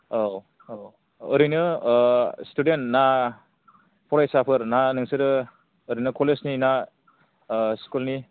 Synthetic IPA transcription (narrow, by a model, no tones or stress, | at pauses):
o | ɾɯjnɯ | studentna | pʰɔɾajsapʰɯɾnanɯŋsɯɾɯ | əɾɯjnɯkʰolesnina | skulni